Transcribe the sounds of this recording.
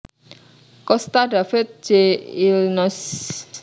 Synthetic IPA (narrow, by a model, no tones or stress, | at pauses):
kɔst̪adafɪt̪̚d͡ʒ̥eilnɔs